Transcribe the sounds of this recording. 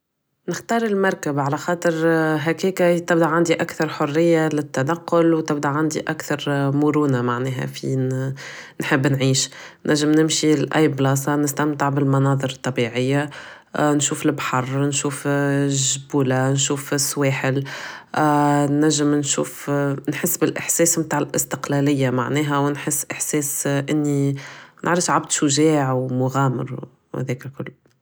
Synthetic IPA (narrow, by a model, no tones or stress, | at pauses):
nɪxt̪ɑːɾˤɪlmɑɾˤkabʕalæxɑːt̪ˤɨɾɦækiːkat̪ɪbd̪aʕand̪iʔakθɑɾˤħʊrːɪjːalɪt̪ːanɑqːʊlwt̪ɪb̚d̪aʕand̪iʔakθɑɾˤmʊɾuːnamaʕnɛːɦæ̰fḭ | nħɪbːnʕiːʃnʔæʒːɪmnɪmʃilʔajblɑːs̬ɑnɪst̪amt̪ɪʕbɪlmɑnɑːðˤɨɾɨt̪ˤːɑbiʕɪjːa | nʃuːflbħɑrˤnʃuːfʒbuːlanʃuːfɪswɛːħɪl | næʒːɪmnʃuːfnħɪsːbɪlʔɪħsɛːsmt̪aːʕɪlʔɪst̪ɪqlɛlɪjːama̰ʕnɛːɦæwnħɪsːʔɪħsɛːsʔɪnːinʔa̰ʕɾˤɪfʃʕab̚d̪ʃʊʒɛːʕwmʊɣɑːmɪ̰ɾ | hɛ̰ðɛːklkʊlː